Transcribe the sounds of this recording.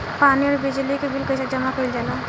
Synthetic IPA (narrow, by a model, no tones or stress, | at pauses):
paniɔɾbid͡ʒlikebʱilkəjsad͡ʒəmakəjld͡ʒala